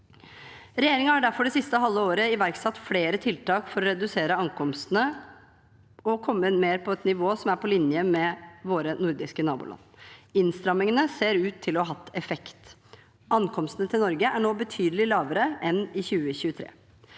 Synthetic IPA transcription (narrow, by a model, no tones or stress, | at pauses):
ɾɛjeːɾɪŋəhɑɖæɾfɔɖɛsɪst̪əɦɑlːəoːɾəɪʋæɾksɑt̪ːfleːɾət̪ʰɪlt̪ʰɑːkfɔɾɔɾɛd̪ʉseːɾəɑŋkʰɔmst̪ənə | ɔkʰɔmːəɪnmeːɾpʰɔɛt̪nɪʋoːsɔmæɾpʰɔlɪnjəmɛʋoːɾənʊɾd̪ɪskənɑːbṵlɑ̰nɪnst̪ɾɑmːɪŋənəseːɾʉːt̪ʰːɪlɔɦɑt̪ːɛfɛkt̪ | ʔɑnkʰɔmst̪ənət̪ʰɪlnɔɾɡəʔæɳoːbət̪ʰyːd̪əlɪlɑːʋəɾəʔɛnɪçʉːəçʉːət̪ʰɾḛː